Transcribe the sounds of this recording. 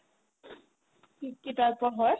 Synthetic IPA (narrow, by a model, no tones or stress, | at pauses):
kikːitaɹpɔɦɔj